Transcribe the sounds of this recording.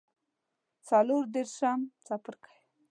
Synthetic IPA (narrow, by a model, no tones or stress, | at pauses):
t͡saloɾd̪eɾʃamt͡sapəɾkʰḁj